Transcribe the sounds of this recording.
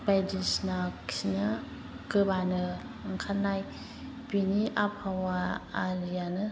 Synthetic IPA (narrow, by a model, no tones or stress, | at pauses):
bajdisnaksinɯ | kɯbanɯ | ŋkʰanːaj | piniʔapʰawaːɾijanɯ